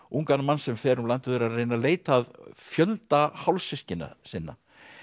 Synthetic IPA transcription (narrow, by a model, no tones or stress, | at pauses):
uŋkanmanːsɛmfɛːɾʏmlant̪ɪðʏɾaðrejnaleːjt̪aðfjœlt̪ahawlsɪscɪna̰sɪnːa̰